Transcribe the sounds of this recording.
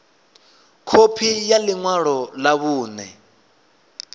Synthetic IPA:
kʰopʰijaliŋwaɺɔlaβuːnɛ̰

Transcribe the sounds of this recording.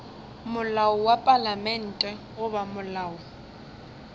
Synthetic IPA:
mʊlaʊwapʼalamɛn̩tʼɛ | ʊbamʊlaːʊ

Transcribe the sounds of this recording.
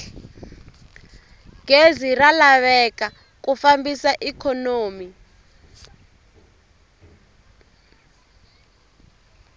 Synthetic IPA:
ɡ̥eziralaβɛka | k̬ufambisaʔikʰɔnoːmi

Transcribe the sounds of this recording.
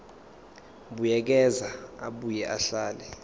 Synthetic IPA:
ɓujɛk̬ɛzaa̰ɓujɛʔaɬaːlɛ

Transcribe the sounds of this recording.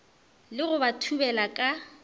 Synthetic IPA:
lɪɣʊbatʰubɛlakʼa

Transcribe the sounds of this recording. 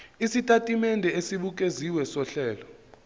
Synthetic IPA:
isitʼatʼimɛndʱɛesiɓuk̬ʼeziwɛsɔɬɛːlɔ

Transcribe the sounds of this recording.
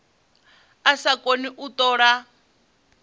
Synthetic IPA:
asakoniʔut̪ɔːɺa

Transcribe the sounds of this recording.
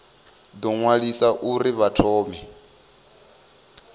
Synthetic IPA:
d̪ɔŋwaɺisaʔuɾiβatʰɔːmɛ

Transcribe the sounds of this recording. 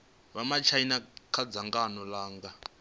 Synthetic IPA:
βamat͡ʃʰainakʰad͡zaŋɡanɔlaːŋɡa

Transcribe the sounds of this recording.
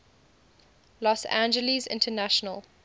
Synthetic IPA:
lɔsã̰nd͡ʒəlizɪ̰̃ntʰənaʃənəl

